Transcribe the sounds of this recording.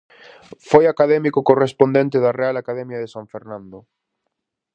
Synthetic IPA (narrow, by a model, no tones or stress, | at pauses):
fojakaðɛmikʊkorespond̪ẽnt̪eðarealakaðɛmjaðesãɱfeɾnãnd̪o